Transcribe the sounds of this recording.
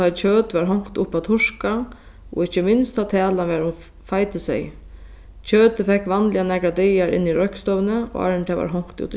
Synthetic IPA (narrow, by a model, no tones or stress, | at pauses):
ajt͡ɕʰøːt̪ʋaɾɦɔŋ̥kt̪ʊpːat̪ʰʊʂka | ɔ̰ɪt͡ɕːəmɪnst̪ʰat̪ʰæːlanʋɛːɾʊm | fajt̪ɪsɛ̰j | t͡ɕʰøːt̪əfɛkʋanlɪanɛːkɾad̪ɛjaɾɪ̰nːiɾɔhkst̪ɔvnəɔ̰a̰ɾɪnt̪ʰɛːʋa̰ɾɦɔŋ̥kt̪ṵːt̪